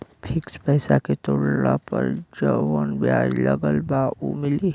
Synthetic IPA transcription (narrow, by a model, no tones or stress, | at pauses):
pʰɪkspɛːsaket̪oːɽna̰pəɾd͡ʒəwənbjaːjləɡəlbaumɪli